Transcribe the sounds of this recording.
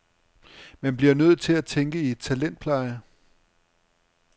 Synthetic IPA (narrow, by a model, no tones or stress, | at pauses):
mænb̥liɐnøð̰̩ˠt͡sʰe̝læt͡sʰeŋɡ̥əie̝d̥̚t͡sʰælen̰d̥̚pʰlɑ̈ɪə